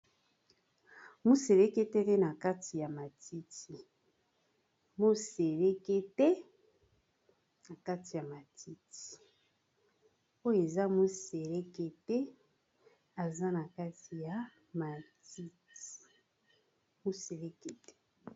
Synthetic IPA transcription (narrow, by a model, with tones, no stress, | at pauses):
mu˦se˨le˦ke˦tɛ˦tɛ˦na˨ka˦ti˨ja˨ma˨ti˦ti˨ | mo˦se˨le˦ke˦tɛ˦ | na˨ka˦ti˨ja˨ma˨tʰi˦ti̥˨ | o˦jo˦˨e˨za˦mo˦se˨le˦ke˦tɛ˦ | a˨za˦na˨ka˦ti˨ja˨˦ | ma˨ti˦ti | mu˦se˨le˦ke˦tɛ̥˦